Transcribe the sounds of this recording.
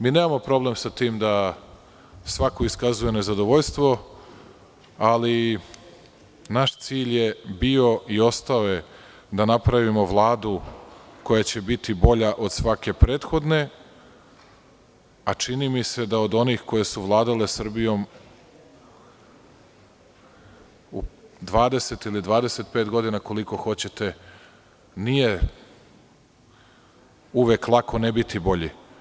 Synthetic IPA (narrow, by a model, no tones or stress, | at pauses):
miːneːmamo̞pɾo̞ble̞msat̪iːmd̪a | sʋako̞iskazuje̞ne̞zad̪o̞ʋoʎst̪ʋo̞ | ali | naʃt̪siːʎjebio̞io̞st̪aoje̞ | d̪anapɾaʋimo̞vlˠaːd̪uko̞jat͡ɕe̞bit̪ibo̞ʎaʔo̞d̪̥sʋake̞pɾe̞ːt̪xo̞d̪ne̞ | at͡ʃinimise̞d̪aod̪o̞niːxko̞je̞suʋlˠaːd̪ale̞sr̩bijo̞m | ud̪ʋaːd̪e̞se̞t̪ilid̪ʋaːd̪e̞se̞t̪̚peːt̪ɡo̞d̪inako̞liko̞xo̞t͡ɕe̞t̪e̞ | nije̞ | uʋeːklˠakʰo̞nebit̪ʰibo̞ʎi